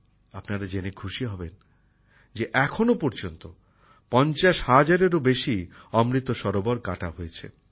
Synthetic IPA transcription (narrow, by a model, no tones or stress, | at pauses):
apnaɾad͡ʑenekʰuʃiɦɔben | d͡ʑeʔɛkʰonopɔɾd͡ʑont̪o | pɔnt͡ɕaʃhad͡ʑaɾeɾobeʃiɔmɾit̪oʃɔɾobɔɾkaʈaɦojet͡ɕʰḛ